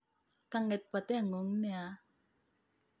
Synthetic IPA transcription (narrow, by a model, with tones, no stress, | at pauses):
ka˧ŋɛ˨t̪̚pa˨t̪ɛ˦a˨ŋo˨˦ŋnea˧